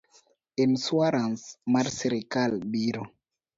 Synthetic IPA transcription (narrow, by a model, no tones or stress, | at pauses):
enswaɾansmaɾsiɾikalbiɾo